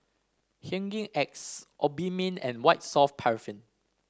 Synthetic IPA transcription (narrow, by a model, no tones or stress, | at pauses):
hãŋɡĩŋɛk̚sʔɔbimə̃nɛ̰̃nwaɪt̚sɔfpʰɛɹifĩn